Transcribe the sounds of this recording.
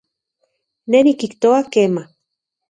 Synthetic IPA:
nenikiht̪oakeːma

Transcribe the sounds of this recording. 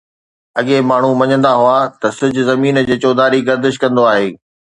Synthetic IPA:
ɐɠemaːɳ̤umɐɲə̃nd̪aɦuat̪ɐsʊd͡ʑʱʊzɐmiːnd͡ʑeːt͡ɕoːd̪aːɾiɡɐɾd̪ɪʃkɐ̃nd̪oaːɦeː

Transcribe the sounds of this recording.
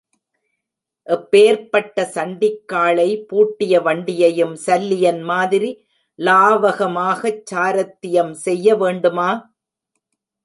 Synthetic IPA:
ʔɛpːeːɾpɐʈːɐsɐɳɖɪkːaːɭɐɪpuːʈːɪjɐʋɐɳɖɪjɐjɯmsɐlːɪjɐnmaːðɪɾi | laːʋɐɣɐmaːɣɐt͡ʃːaːɾɐt̪ːɪjɐmsɛjːɐʋeːɳɖɯmaː

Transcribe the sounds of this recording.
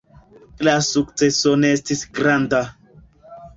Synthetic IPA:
lasuk̚t͡se̞so̞ne̞estisɡɾanda

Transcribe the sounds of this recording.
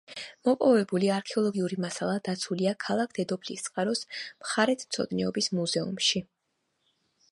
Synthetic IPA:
mɔpʼɔvɛbuliaɾkʰɛɔlˠɔɡiuɾimasalˠad̪̥at̪sʰuliakʰalˠak̚ʰd̪̥ɛd̪ɔpʰlist̪sʼqʼaɾɔsmχaɾɛt̪ʰmt̪sʰɔ̰d̪nɛɔbismuzɛṵmʃi

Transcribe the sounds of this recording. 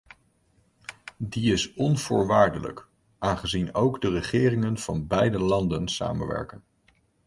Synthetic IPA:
diɪsɔnv̥ʊːɹʋaːɹdələ̰k | ʔaːnχəzinowɡdərəχɪːrɪŋənv̥ɑnbɛjdəlɑndənsa̰ːmənʋɛ̰ɹkən

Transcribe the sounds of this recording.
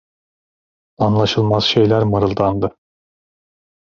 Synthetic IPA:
anlˠaʃɯlˠmaz̥ʃe̞jlʲæɾmaɾɯlˠd̪and̪ɯ

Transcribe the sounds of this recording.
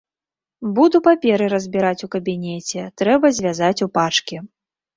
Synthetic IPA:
bud̪upapʲɛɾɨɾɐzʲbʲiɾat͡sʲukɐbʲinʲɛt͡sʲɛt̪ɾɛbɐzʲvʲazat͡sʲupat͡ʂkʲi

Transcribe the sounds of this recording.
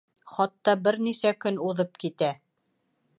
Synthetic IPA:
χɑt̪ːɑbɘɾnisækɵnuðɤpkit̪æ

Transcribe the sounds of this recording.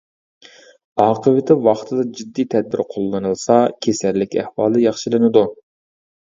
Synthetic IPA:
ɑːqʰəvɪt̪ʰɪwɑχt̪ʰɨd̪ɑd͡ʒid̪ːijt̪ʰɛd̪̚bɪɾqʰolˠːɨnɨlˠsɑkʲʰesæɾlɪkʲæ̰hwɑːlˠd̪ɨjɑχʃɪlˠɨnɨd̪u

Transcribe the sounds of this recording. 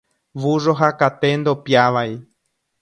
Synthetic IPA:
ʋuʐoɦakat̪end̪opjaʋaji

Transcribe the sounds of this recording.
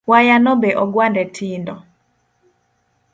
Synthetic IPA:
wajanɔbeʔɔɡwandɛtʰindɔ

